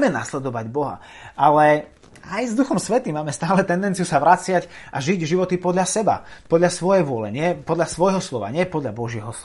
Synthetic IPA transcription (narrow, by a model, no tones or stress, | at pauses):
mɛna̰slɛd̪ɔʋaɟbɔɦa̰ʔalɛ | ajzd̪uxɔmsʋɛt̪iːmaːmɛst̪aːlɛt̪ɛnd̪ɛnt͡sijusaʋɾat͡sɪacʔaʒiɟʒiʋɔt̪ipɔd̪ʎasɛba̰pɔd̪ʎasʋɔjɛjʋʊɔlɛ̰ɲɪɛpɔd̪ʎasʋɔjɦɔslɔʋa̰ɲɪɛpɔd̪ʎabɔʒɪɛɦɔs